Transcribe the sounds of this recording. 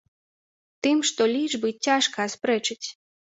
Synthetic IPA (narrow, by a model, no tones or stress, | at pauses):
t̪ɨmʂt̪ɔlʲiʐbɨt͡sʲːaʂkɐːspɾɛt͡ʂɨt͡sʲ